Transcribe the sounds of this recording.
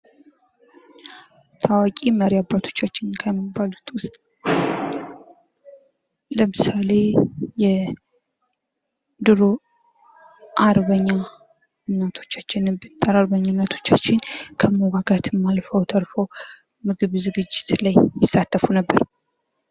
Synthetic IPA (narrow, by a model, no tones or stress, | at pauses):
t̪ʰawakʼiməɾijabːat̪ʰo̞̥t͡ʃːat͡ʃːɪnkʰajɛmːəbːalut̪wʊst̪ʼ | ləmɨsale̞jɛ | d̪ɨɾo | ʔaɾβəɲːa | ɨmnːət̪ʰo̞t͡ʃːat͡ʃːɪnɨbɨt̪ʼːəɾaɾβəɲːanːət̪ʰo̞t͡ʃːat͡ʃːɪnkʰəməɡaɡat̪mːalfəwt̪ʰəɾfəw | mɨɡɨβzɨɡɨd͡ʒːɪt̪lajːɪsːat̪ːəfunəbːəɾ